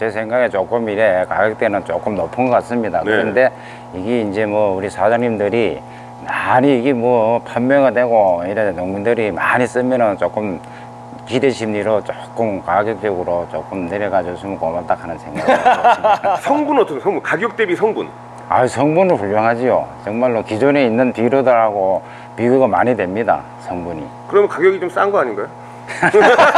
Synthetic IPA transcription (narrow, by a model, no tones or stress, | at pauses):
t͡ɕe̞sʰe̞ŋɡaɡet͡ɕok͈ɯmiɾekaɡjok̚t͈e̞nɯnt͡ɕok͈ɯmnʌpʰɯnŋɡʌk͈as͈ɯmɲidakɯɾʌnde̞ | iɡeind͡ʑe̞mwʌuɾisʰad͡ʑaŋɲimdɯɾi | maɲiːɡemwʌpʰaʌmmjʌŋadwe̞ɡoiɾʌnːoŋmindɯɾimaɲis͈ɯmjʌnʌnt͡ɕok͈ɯm | kideɕʰimɲiɾot͡ɕok͈ɯmkaɡjok̚t͡ɕ͈ʌɡɯɾot͡ɕo̰k͈ɯmneɾeɡad͡ʑosʰɯmɯkomaɭt͈akʰanɯnsʰe̞ŋɡaɡ | sʰʌŋbunʌt͈ʰʌkʰsʰʌŋbunkaɡjok̚t͈ebisʰʌŋbun | a̰isʰʌŋbunɯɭɸuʎːoŋɦad͡ʑijot͡ɕʌŋmaɭːokid͡ʑone̞inːɯnpiɾodɯɭɦaɡo | piɡuɡamaɲidwemɲida̰ | sʰʌŋbuɲḭ | kɯɾʌmjnkaɡjoɡit͡ɕoms͈anɡʌaɲinɡajo